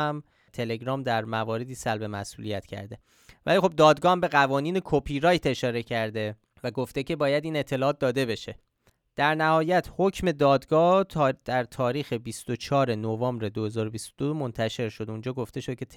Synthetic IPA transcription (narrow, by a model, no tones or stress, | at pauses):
m | t̪ʰe̞le̞ɡɾɒːmd̪æɾmævɒːɾe̞d̪iːsælbe̞mæ̰sʔṵːlijæt̪cʰæ̰ɾd̪e̞ | væ̰liːxo̞b̚d̪ɒːd̪ɡɒːhmbe̞ɣævɒːniːne̞kʰopʰiɾɒːjt̪e̞ʃɒːɾe̞cʰæɾd̪e̞ | væɡo̞ft̪ecʰe̞bɒːjæd̪iːne̞t̪ʰːe̞lɒːɒːt̪̚d̪ɒːd̪e̞be̞ʃe̞ | d̪̥æɾnæhɒːjæt̪ʰhocʰme̞d̪ɒːd̪ɡɒːt̪d̪̥æɾt̪ʰɒːɾiːxe̞bist̪o̞t͡ʃʰɒːɾe̞novɒːmbɾe̞d̪ohezɒːɾobist̪od̪omo̞nt̪ʰæʃe̞ɾʃo̞d̪und͡ʒɒːɡo̞ft̪e̞ʃo̥cʰet̪ʰ